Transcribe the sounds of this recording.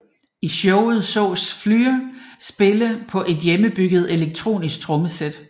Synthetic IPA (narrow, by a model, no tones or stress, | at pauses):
iɕɔʊð̞̩ˠsɔ̰ʊsflyːɐsb̥e̝ləpʰɒ̽ʔe̝d̥jeməb̥yɡ̥ð̞̩ˠe̝leɡ̥̚t͡sʰʁo̝̰ːnisɡ̥̚t͡sʰʁɔ̽məsed̥